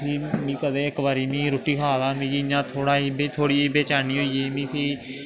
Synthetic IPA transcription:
pʰiːmĩːkəd̪ẽːɪkbaːɾiːmĩːɾoːʈiːkʰaːlaːmĩːd͡ʒiɲãːt̪ʰoːɽaːiːbet̪ʰoːɽiːbeːt͡ʃaːniːɦoːiːeːmĩːpʰiː

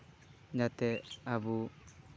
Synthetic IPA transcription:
ɲat̪ɛabu

